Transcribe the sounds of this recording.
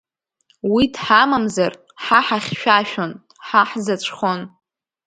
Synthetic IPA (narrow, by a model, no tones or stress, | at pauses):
widħamamzar | ħaħaχʲʃᶣaʃᶣon | ħaħzat͡ʃʷʰχon